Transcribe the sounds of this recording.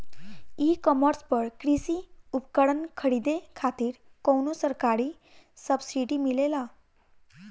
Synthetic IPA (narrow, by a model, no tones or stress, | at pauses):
ikəməɾspəɽkɾisiupkəɽənkʰəɽid̪ekʰat̪iːɾkownosəɾkaɾi | səbsiʈimilela